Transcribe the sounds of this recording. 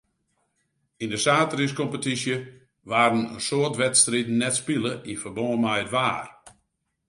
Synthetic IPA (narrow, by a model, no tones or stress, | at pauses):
indəsaːtəriskɔmpətisjə | ʋaːɾənə̰nsoərtʋɛtstritn̩nːɛtspiləʔinfərbɔːəmajətʋaːr